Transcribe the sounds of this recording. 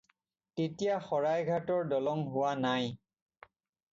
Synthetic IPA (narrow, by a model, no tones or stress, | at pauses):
tetijaxɔɹajɡʱatɔɹdɔlɔŋɦʊwanaj